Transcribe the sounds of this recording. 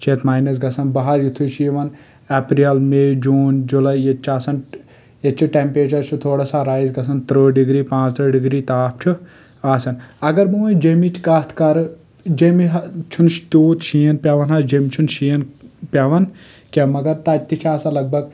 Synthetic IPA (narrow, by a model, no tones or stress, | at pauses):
t͡ʃʰet̪maːjnɐs̬ɡɐsɐnbɐɦɐɾjut̪ʰut͡ʃʰjiʋɐn | ɛːpɾiɐlmeːd͡ʒuːnd͡ʒulɐjet͡ʃʰaːsɐn | et͡ʃʰiʈempeːt͡ʃɐɾt͡ʃʰut̪ʰoːɽasaɾaːizɡɐsɐnt̪ɾoːɖiɡɾiːpãːt͡ʃt̪ɾəːɖiɡɾiːt̪aːp̚ʰt͡ʃʰu | aːsɐnɐɡɐɾmuʋɐd͡ʒemit͡ʃʰkaːt̪ʰkɐɾ | d͡ʒemiɦɐt͡ʃʰunʃt̪uːt̪ʃijɐnpʲaʋɐnɦad͡ʒemt͡ʃʰunʃiːɐnpʲaʋɐn | kemɐɡɐɾt̪at̪ːit͡ʃʰaːsalɐɡ̚bɐɡ